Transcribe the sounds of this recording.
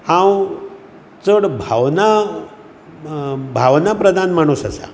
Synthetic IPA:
ãw | t͡səɽbʱaʋna | bʱaʋnapɾəd̪ʱanmaɽ̃usəsa̰

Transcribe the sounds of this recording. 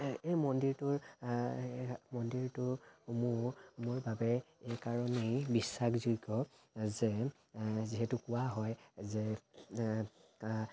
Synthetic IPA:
ejmɔndiɹtʊɹ | mɔndiɹtʊmʊmʊɹbabɛejkaɹɔnejbisːakzujɡɔ | zɛ | ziɦɛtʊkʊwaɦɔjzɛ

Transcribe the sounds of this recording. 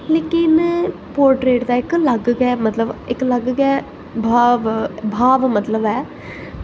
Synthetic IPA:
leːkɪnpoːɾʈɾeːʈd̪aːɪkləɡɡɛːmət̪ləbɪkləɡɡɛː | bʱaːʋbʱaːʋmət̪ləbɛː

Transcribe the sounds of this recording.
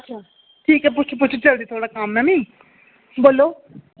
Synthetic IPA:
ətːʃʰaː | ʈʰiːkɛːp̬ʊt͡ʃːt͡ʃʰp̬ʊt͡ʃʰt͡ʃəld̪iːt̪ʰoːɽaːkamnaːmĩː | boːloː

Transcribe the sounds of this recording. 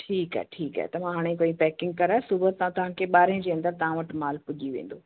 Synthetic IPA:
ʈʰiːka̰ɛʈʰiːka̰ɦɛt̪ɐmãɦaːɽ̃ẽkoːĩpɛːkɪ̃ŋɡ̚kɐɾaːsʊbət̪ɐãt̪ɐʋ̤ãkʰeːɓaːɾĩd͡ʑeːɐ̃nd̪əɾt̪ɐʋãʋɐʈmaːlpʊʄiʋḛ̃ːn̆d̪o

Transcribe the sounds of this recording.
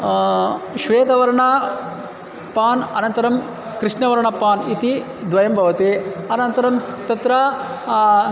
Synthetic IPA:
ʃʋeːt̪ɐʋɐɾɐɳɐ | paːnɐnɐnt̪ɐɾɐm | kɾiʂnɐʋɐɾɐɳɐpaːnit̪i | d̪ʋɐjɐmbʱɐʋɐt̪eɐnɐnt̪ɐɾɐmt̪ɐt̪ɾɐ

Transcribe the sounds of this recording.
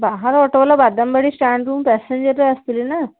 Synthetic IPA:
baɦaɾɔʈəʋlabad̪ambeɽiːsʈæɳɖɾuːmpæseɲd͡ʑəɾlaəst̪ilina

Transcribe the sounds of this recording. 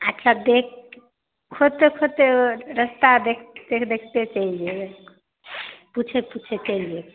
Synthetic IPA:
ətːʃʰad̪ek | kʰot̪ekʰot̪eɾəst̪ad̪ekʰd̪ekʰd̪ekʰt̪et͡ʃəilie | put͡ʃʰeput͡ʃʰet͡ʃəilie

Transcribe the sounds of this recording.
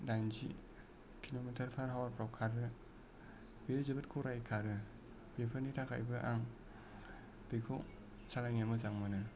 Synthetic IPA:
daŋzḭ | kʰilometʰaɾpʰaɾɦawaɾpɾawkʰaɾɯ | bilzɯbɯt̚kʰuɾajkʰaɾɯ | bepʰɯɾnitʰakʰa̰jbɯʔaŋ | b̥ejkʰo̰ | salajŋamɯzaŋmɯnɯ

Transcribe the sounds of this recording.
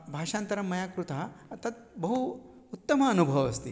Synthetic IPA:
bʱaːʂaːnt̪ɐɾɐmːɐjaːkɾut̪at̪ɐt̪̚bɐɦuː | t̪ːɐmɐːnubʱɐʋɐst̪i

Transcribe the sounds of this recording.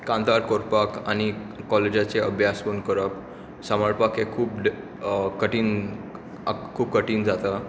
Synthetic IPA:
kãnt̪aɾkoɾpaka̰ñikɔled͡ʑat͡seəbʱjasfonkəɾəp | saməɭpakekʰuːpɖ | kəʈiːn | kʰuːb̚kəʈiːnd͡zat̪a

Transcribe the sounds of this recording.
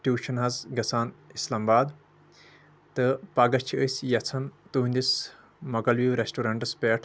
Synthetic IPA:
ʈuːʃɐnɦɐzɡɐsaːnislaːmbaːd̪ | t̪ɨpaːɡɐt͡ʃʰiəsjɐt͡sʰɐnt̪uɦũnʲd̪is | mɐkɐlʋiːʋɾesʈuɾɐɳʈɨspeːʈʰ

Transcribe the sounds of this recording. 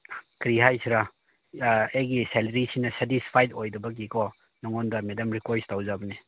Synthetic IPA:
kɾiɦajsiɾa | ejɡiselɐɾisinɐsetispʰajdojdɐbɐkikɔ | nɔŋɔndɐmedɐmɾikwestawzabɐni

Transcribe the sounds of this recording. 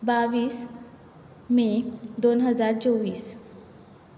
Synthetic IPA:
baʋiːs | mẽd̪onɦəd͡zaɾt͡soʋiːs

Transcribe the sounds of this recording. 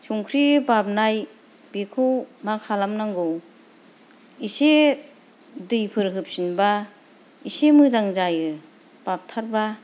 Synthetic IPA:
suŋkʰɾibap̚naj | bikʰɯwmakʰalamnaŋɡow | ise | dɯjpʰɯɾɦɯp̚sinba | isemɯzaŋzajɯ | b̥ap̚tʰaɾba

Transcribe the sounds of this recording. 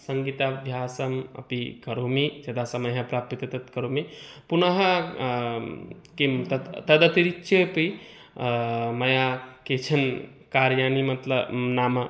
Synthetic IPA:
səŋɡit̪abʱjasəmə̰pikəɾomid͡ʒed̪asəməjɦəpɾap̚t̪it̪et̪ɐt̪kəɾomepunəɦə | kemt̪ət̪əd̪ət̪iɾikːʃʰepi | məjaket͡ʃʰən | kaɾjanimɐt̪ləbnamə

